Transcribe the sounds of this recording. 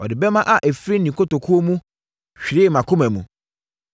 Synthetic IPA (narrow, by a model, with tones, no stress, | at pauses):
ɔ˨dɪ˨bɛ˦mã˦ʔa˨ʔæ˨fɾi˦nĩ˨kʰo˦to˨kʰu˦o˦mũ˦ | ɕᶣɾɪ˦˨mã˨kʰʊ̃˦mæ˨mũ˨